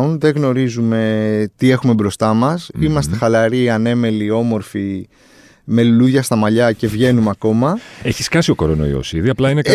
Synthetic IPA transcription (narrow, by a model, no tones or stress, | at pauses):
unðe̞ɣno̞ɾizume̞t̪ie̞xume̞bɾo̞st̪ɐmɐsimɐst̪e̞xɐlɐɾiɐne̞me̞lio̞mo̞ɾfi | me̞luluðʝɐst̪ɐmɐʎɐce̞vʝe̞numeɐko̞mɐe̞çi̥skɐsio̞ko̞ɾono̰ḭo̰siðiɐplɐine